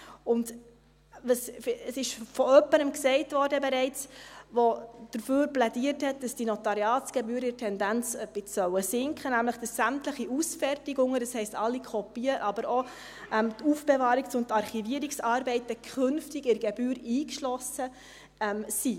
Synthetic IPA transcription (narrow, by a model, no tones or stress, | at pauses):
ʊnd | vɑsəsɪʃfɔœpːəɾəmksɛɪtvɔːɾdəbɛɾɛɪt͡sʋod̥əɾføːɾplɛdiəɾthɛt̚d̥ɑsd̥inɔtɑɾjɑːt͡sɡ̥ɛbyːɾɪɾtʰɛndænt͡sɛb̥ɪt͡ssœwəsɪŋkʰχənæmləχd̥ɑsːæmtləχiʔusfɛrtɪɡʊŋədɑshɛɪstɑlːikʰɔpiəʔɑbəɾo | ʔɛmtufb̥ɛvɑːɾiksʊntɑɾχiviəɾiksɑːɾbɛɪtəkʰχʏnftɪɡɪɾɡ̥ɛbyːɾiːkʃlɔsə | ɛmsi